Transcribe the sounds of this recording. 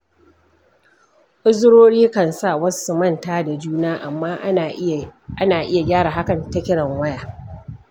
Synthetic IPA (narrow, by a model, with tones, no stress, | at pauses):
ʔʼʊ˦zʊ˦ɽoː˦ɽiː˦kɐ˨nsa˦˨wɐ˦ssu˨mɐ˦˨ntaː˦da˨d͡ʒuː˦naː˦ʔa˨mːaː˦ | ʔa˦naː˨ʔɪ˦ja˨ɡʲaː˦ɽaː˨ɦa˦kɐ˨ntɐ˦kʲɪ˦ɽɐ˨ŋwɐ˦jaː˨